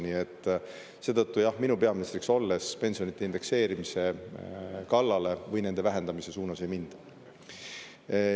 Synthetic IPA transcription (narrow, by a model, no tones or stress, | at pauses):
nie̞t̪ˑː | se̞ːt̪ɤt̪ːujɑhminupe̞ɑminst̪ɾikso̞lːe̞spe̞nʲsijo̞nit̪ːˑeind̪e̞kse̞ːɾimise̞ | kɑlːɑle̞vɤjnend̪e̞væɦe̞nd̪̥ɑmise̞suːnɑse̞jmind̪̥